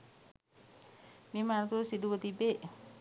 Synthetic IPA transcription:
mimant̪usiduwət̪ibeʔ

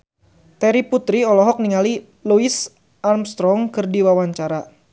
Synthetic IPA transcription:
t̪ɛɾiput̪ɾiɔlɔɦɔk̚niŋali | luis | armst̪ɾɔŋkɨrdiwawaɲt͡ʃaɾa

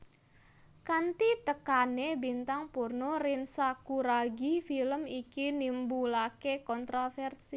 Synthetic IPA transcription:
kant̪it̪əkanebint̪aŋpurnoɾɪnsakuɾaɡifiləmikinimbulakekɔnt̪ɾofɛrsi

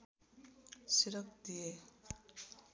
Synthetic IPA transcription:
siɾʌkd̪ije

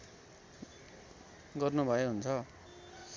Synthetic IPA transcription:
ɡʌrnubʱʌeɦunt͡sʰʌ

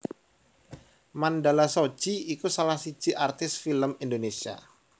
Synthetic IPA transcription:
mandalasod͡ʒiikusalahsi̥d͡ʒ̥iʔart̪ɪsfiləmindonesia̰

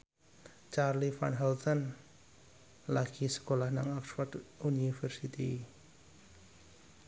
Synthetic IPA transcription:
t͡ʃarlifa̰nɦɛlt̪ɔn | laɡ̥isə̥kolahnaŋɔksfərdunifərsit̪i

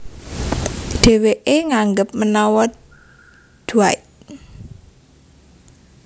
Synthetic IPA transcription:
ɖ̪̥e̤weʔeŋaŋɡəp̚mənawɔ | d̪̥uait̪

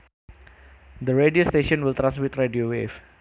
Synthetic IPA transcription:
d̪əɾediost̪eʃɔ̃nwilt̪ɾãnsmit̪rediowef

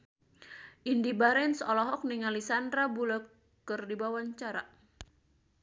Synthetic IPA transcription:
ʔindibaɾɛnsɔlɔɦɔk̚niŋalisandɾabulɔ | kɨrdibawaɲt͡ʃaɾa

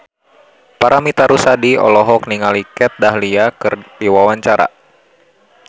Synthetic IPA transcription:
paɾamit̪aɾusadiɔ̰lɔɦɔk̚niŋalikɛt̪̚daɦliakɨrdiwawaɲt͡ʃaɾa̰

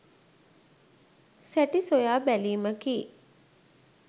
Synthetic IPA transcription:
sæʈisojaːbæliːməkiː

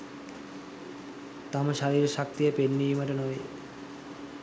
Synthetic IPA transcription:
t̪amaʃaɾiɾeʃak̚t̪iepenːiimaʈenɔj

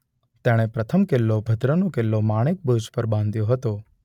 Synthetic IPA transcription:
t̪eɽ̃epɾət̪ʰəmkelːobʱəd̪ɾənokelːomaɽ̃ek̚bəd͡ʒpəɾbãnd̪joɦət̪o

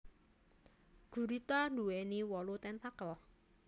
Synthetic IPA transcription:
ɡ̥ṳɾit̪andṳweniwɔlut̪ɛnt̪akə

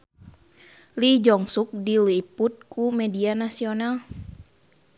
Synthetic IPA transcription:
lid͡ʒɔŋsuk̚diliput̪̚kumɛdianasional

